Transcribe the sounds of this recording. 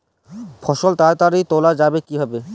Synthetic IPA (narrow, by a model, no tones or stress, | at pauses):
fʰɔʃolt̪aɾt̪aɾijt̪olad͡ʑabekibʱɔbe